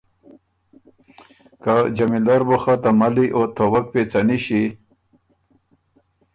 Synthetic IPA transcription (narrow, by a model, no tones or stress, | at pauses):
kad͡ʑamilaɾboxat̪amaliʔot̪ʰowak̚pet͡saniɕi